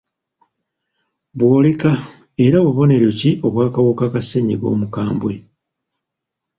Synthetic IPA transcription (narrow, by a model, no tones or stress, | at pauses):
βwoːleka | e̞ɾaβuβo̞ne̞ɾeciʔo̞βwaːkawokakaseɲiβo̞̰ːmukaːmbwe̞